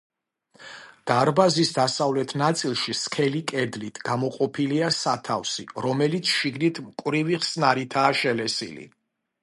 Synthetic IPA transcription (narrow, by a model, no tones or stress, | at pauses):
d̪̥aɾbazisd̪asavlɛt̪ʰnat̪sʼilˠʃiskʰɛlikʼɛd̪lit̪ʰɡ̥amɔqʼɔpʰiliasat̪ʰafsḭɾɔmɛlit̪sʰʃiɡnit̪ʰmkʼwvɾiviχsnaɾit̪ʰaːʃɛlɛsḭlḭ